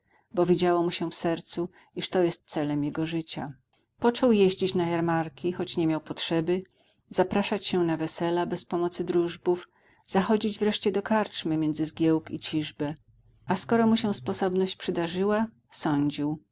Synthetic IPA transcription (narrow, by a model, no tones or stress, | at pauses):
bɔvʲjid͡ʑawɔmuɕɛfsɛɾt̪su | iʂt̪ɔjɛst̪̚t̪sɛlɛmjɛɡɔʐɘt͡ɕa̰ | pɔt͡ʂɔwjeʑd͡ʑit͡ɕnajaɾmaɾkʲixɔt͡ɕɲɛmʲjawpɔtʂɛbɘ | z̥apɾaʂat͡ɕɕɛnavɛsɛlabɛspɔmɔt̪sɘd̪ɾuʐbuf | z̥axɔd͡ʑid͡ʑvɾɛʂt͡ɕɛd̪ɔkaɾt͡ʂmɘmʲjɛnd̪zɘzɡʲjɛwkit͡ɕiʐbɛ | ʔaskɔɾɔmuɕɛ̃spɔsɔbnɔɕt͡ɕpʂɘd̪aʐɘwa | sɔɲd͡ʑiw